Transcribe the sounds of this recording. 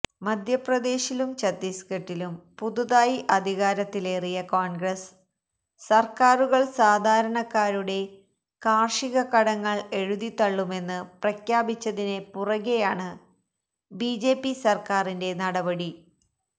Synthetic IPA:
mɐd̪ʱjɐprɐd̪e̞ːɕilumt͡ɕɐt̪ːiskɐʈːilumpuðuðaːjiʔɐd̪ʱiɣaːɾɐt̪ːile̞rijɐkoːɳɡɾɐsː | ɐrkaːɾuɣɐɭsaːd̪ʱaːɾɐɳɐkːaːɾuɽe̞ | kaːrʂiɣɐkɐɽɐŋːɐɭe̞ɻuðit̪ːɐɭːume̞nːɨprɐkjaːbit͡ɕːɐðine̞purɐɣejaːɳɨ | bid͡ʑe̞ːpːisɐrkaːrinde̞nɐɽɐbɐɽi

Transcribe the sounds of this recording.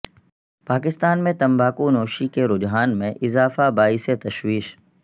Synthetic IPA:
paːkɪst̪aːnmẽt̪ɐ̃mbaːkunoːʃikeɾʊd͡ʒɦaːnmẽʔɪzaːfabaːiset̪ɐʃwiːʃ

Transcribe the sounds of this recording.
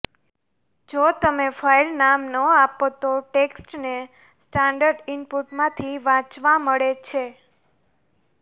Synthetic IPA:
d͡ʒot̪əmefailnamnəapot̪oʈeksʈne | sʈãɳɖəɾɖɪmpuʈmãt̪ʰiʋãt͡ʃʋaməɭet͡ʃʰe

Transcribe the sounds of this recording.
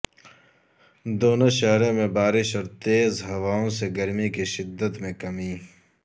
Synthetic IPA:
d̪oːnoʃɐɦɾẽmẽbaːɾɪʃɔːɾt̪eːzɦɐwaːõseɡɐɾmikiʃɪd̪ːət̪mẽkɐmiː

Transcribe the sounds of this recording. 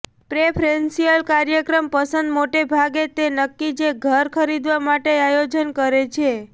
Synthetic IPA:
pɾepʰɾensijəlkaɾjəkɾəmpəsənd̪moʈebʱaɡet̪enəkːid͡ʒeɡʱəɾkʰəɾid̪ʋamaʈeajod͡ʒənkəɾet͡ʃʰe

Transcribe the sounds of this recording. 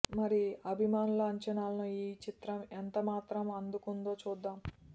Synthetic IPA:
mɐɾiɐbʱimaːnulɐɐɲt͡ʃɐnaːlɐnuiːt͡ʃit̪ɾɐment̪ɐmaːt̪ɾɐmɐnd̪ukund̪o̞ːt͡ʃuːd̪ːaːm

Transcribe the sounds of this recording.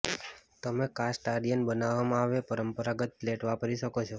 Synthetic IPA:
t̪əmekasʈaɖijənbənaʋamãaʋepəɾəmpəɾaɡət̪̚pleʈʋapəɾiʃəkot͡ʃʰo

